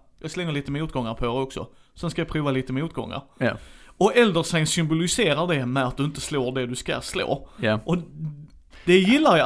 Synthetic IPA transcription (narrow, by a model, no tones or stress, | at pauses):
jɑːɡslɛŋːəɭiːt̪əmɛmuːt̪ɡɔŋːaɾpʰɔɛɾɾɔksɔ̰ | sɛnskajɑpʰɾʉːvaliːt̪əmɛuːt̪̚ɡɔ̰ŋːa̰ɾ | ɔɛld̪əɾsɛnsʏmbʊlɪseːɾaɖɛmɛat̪̚d̪ɵɪnt̪əsloːɖɛd̪ɵska̰slo̰ːʔɔ | d̪̥ɛjɪlːaɾj